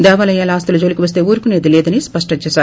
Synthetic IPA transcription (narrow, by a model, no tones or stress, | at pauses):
d̪ɛːʋaːlɐjaːlɐaːst̪ɐlud͡ʒoːlikiʋɐs̬t̪e̞ːuːɾukuneːd̪ilɛːd̪ɐnispɐʂʈɐt͡ʃɛːʃaːɾ